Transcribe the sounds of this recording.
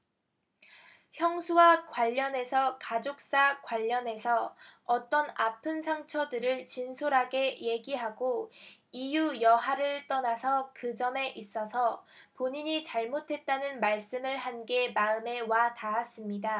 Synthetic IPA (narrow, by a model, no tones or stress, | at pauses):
çjʌŋsʰuwakwaʎːʌne̞sʰʌkad͡ʑok̚s͈akwaʎːʌne̞sʰʌʌt͈ʌnapʰɯnsʰaŋt͡ɕʰʌdɯɾɯɭt͡ɕinsʰoɾɦaɡe̞je̞ɡiɦaɡoijujʌɦaɾɯɭt͈ʌnasʰʌkɯd͡ʑʌme̞ʔis͈ʌsʰʌpoɲiɲit͡ɕaɭmotʰe̞t̚t͈anɯnmaɭs͈ɯmɯɭhanɡe̞maɯme̞wataːs͈ɯmɲida